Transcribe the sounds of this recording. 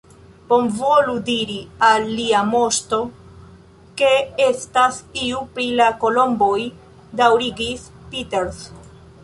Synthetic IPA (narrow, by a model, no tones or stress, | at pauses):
po̞mvo̞ludiɾialːiamo̞sto̞ | ke̞e̞stasiupɾilako̞lo̞mbo̞j | dawɾiɡis | piteɾs